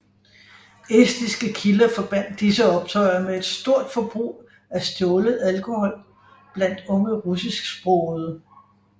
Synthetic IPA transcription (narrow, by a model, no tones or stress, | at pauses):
esd̥isɡ̥əkʰilɐfɒ̽b̥æn̰d̥ːisəɒ̽b̥̚t͡sʰɒɪɐmee̝d̥sd̥o̝ɐ̰d̥fɒ̽b̥ʁṵː | æsd̥ɔːləð̩ˠælkʰo̝hɒ̽l̰ | b̥læn̰d̥ɔ̽ŋəʁusisɡ̥sb̥ʁɔð̩ˠ